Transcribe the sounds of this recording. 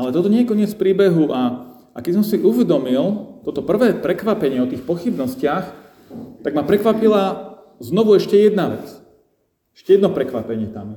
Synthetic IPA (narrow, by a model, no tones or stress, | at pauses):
alɛt̪ɔt̪ɔɲɛjɛkɔɲɪɛt͡sfpɾiːbɛɦuʔa | ʔakɛd̪isɔmsiʔuʋɛd̪ɔmilt̪ɔt̪ɔpr̩ʋɛːpɾɛkʋapɛɲɪɛɔt̪iːxpɔxibnɔscɪax | t̪aɡmapɾɛkʋapila | znɔʋuɛʃcɛjɛd̪naʋɛ̰t͡s | ɛʃcɛjɛd̪nɔpɾɛkʋapɛɲɪɛt̪am